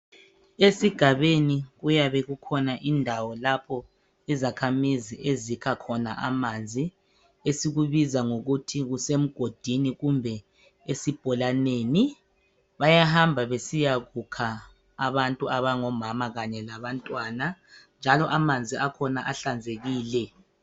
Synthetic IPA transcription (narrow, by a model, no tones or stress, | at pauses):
esiɡ̥ʱaβeniɣujaβɛɣukʰɔnaʔindʱawɔlapʰɔ | izakʰamiziʔezikʰakʰɔna̰ʔamand͡zʱi | esiɣuβizaŋoɣutʰiɣusem̩ɡ̥ʱod̥ʱiniɣumbʱɛ | esib̥ʱɔlaneːni | βajahambʱaβesijaɣukʰaː | βantʼuaβaŋɔmamaɣaɲɛlaβantʼwanand͡ʒʱalɔʔamand͡zʱiakʰɔnaʔaɬand͡zʱeɣiːlɛ